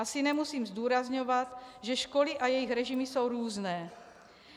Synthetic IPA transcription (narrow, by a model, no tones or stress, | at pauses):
asinɛmusiːmzd̪uːɾazɲovat̪ʒɛʃkolɪʔajɛjixɾɛʒimɪso̞wɾuːznɛː